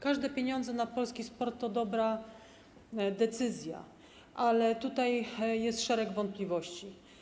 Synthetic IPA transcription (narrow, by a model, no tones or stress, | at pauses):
kaʐd̪ɛpʲjeɲɔnd̪zɛnapɔlskʲispɔɾt̪ːɔd̪ɔbɾa | d̪ɛt̪sɘzʲja̰ | ʔalɛt̪ut̪ajjɛst̪ʂɛɾɛɡvɔnt̪̚plʲivɔɕt͡ɕi